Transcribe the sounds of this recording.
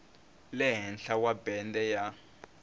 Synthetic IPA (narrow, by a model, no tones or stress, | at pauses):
lɛɦɛnɬawabɛndɛja